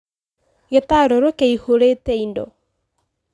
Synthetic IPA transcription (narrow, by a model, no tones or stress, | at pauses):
ɣetaɾoɾokeihoɾetɛindɔ̰